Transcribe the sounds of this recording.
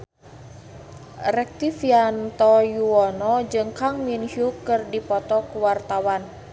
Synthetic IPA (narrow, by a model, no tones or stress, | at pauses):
rɛk̚t̪ifiant̪ɔjuɔnɔd͡ʒɨŋkaŋminhukɨrdipɔt̪ɔkuwart̪awan